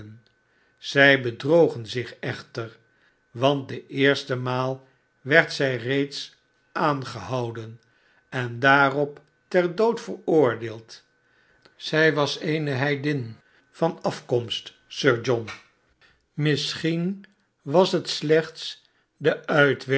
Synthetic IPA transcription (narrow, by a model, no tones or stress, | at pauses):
n | z̥ɛjbədrowχənzɪχɛχtəɹ | ʋɑnt̚dəʔɪːɹstəmaːlˠ | ʋɛɹtsɛjrejts | ʔaːnχəɦɑwdən | ɛndaːrɔp | tɛɹdowtfərʊːɹdeːlˠt | z̥ɛjʋɑsejnəɦɛjdɪn | fɑnɑfkɔmst | søːɹd͡ʒɔn | mɪsχin | ʋɑsɦətslɛχts | dəʔœɥtʋɛ